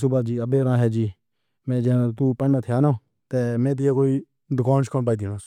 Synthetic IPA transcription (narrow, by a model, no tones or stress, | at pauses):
sʊbaːd͡ʒiːəbeːɾãːɦɛːd͡ʒiː | mɛ̃ːd͡ʒɛ̃t̪uːpəɳːat̪ʰɪjaːnãː | t̪eːmɛ̃ːt̪̬ɪjaːkoːiː | d̪ʊkaːnt͡ʃʰkənbaːiːd̪iːnaːs